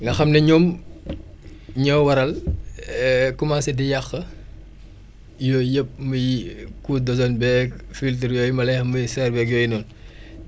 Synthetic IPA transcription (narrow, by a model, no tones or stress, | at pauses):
ŋɡɐxɐmnɛɲɔːm | ɲɔwɐɾɐl | kɔmaːsɛdijaxːɐ | jɔːjəp̚mujikuːdɔzɔnbɛːkfilt̬əɾjɔːjmɐlɛxmujisɛrbɛːk̚jɔːjnɔn